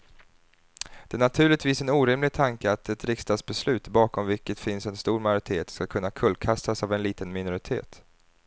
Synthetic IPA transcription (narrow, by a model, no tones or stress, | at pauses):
d̪̥ɛænat̪ʰʉ̟ːɭɪt̪viːsɛnuːɾɪmlɪɡ̚t̪ʰaŋkəat̪ɛt̪ɾɪkst̪ɑːd̪sbɛslʉ̟ːt̪bɑːkɔmvɪlkːət̪fɪnsɛnst̪uːɾmajʊɾɪt̪ʰeːt̪skakʰɵnːakʰɵlkʰast̪asavɛnliːt̪ənmɪnʊɾɪt̪ʰḛːt̪